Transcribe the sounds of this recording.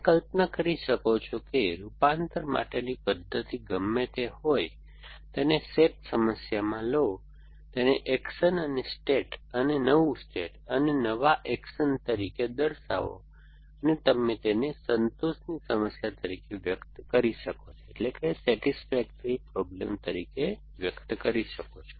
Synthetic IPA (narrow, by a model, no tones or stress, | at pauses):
kəlpnəkəɾiʃəkot͡ʃʰokeɾupant̪əɾmʔa̰ʈenipəd̪ʱːət̪iɡəmːet̪ehoj | t̪eneseʈsəməsjamãlo | t̪eneʔɛkʃənənesʈeʈənenəʋũsʈeʈənenəʋaʔɛkʃənt̪əɾiked̪əɾsa̰ʋo̰ | ənet̪əmet̪enesənt̪oʃnisəməsjat̪əɾikeʋjəkt̪kəɾiʃəkot͡ʃʰoeʈlekesɛʈisfɛk̚ʈɾipɾɔblḛmt̪əɾike | ʋjəkt̪kəɾiʃəkot͡ʃʰo̥